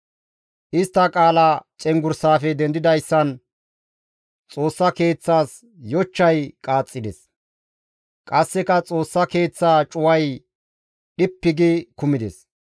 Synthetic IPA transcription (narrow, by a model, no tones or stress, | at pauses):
ʔɪst̪ːɐkʼaːlɐt͡ʃʼɛŋɡʊɾsaːfɛd̪ɛnd̪ɪd̪ɐjsːɐn | t͡sʼo̞ːsːɐke̞ːt͡sːaːs | jɔt͡ʃːɐjkʼaːt͡sʼːɪd̪ɛs | kʼɐsːɛkɐt͡sʼo̞ːsːɐke̞ːt͡sːaːt͡ʃʼʊwɐj | ɗɪpːɪɡɪkʊmɪd̪ɛs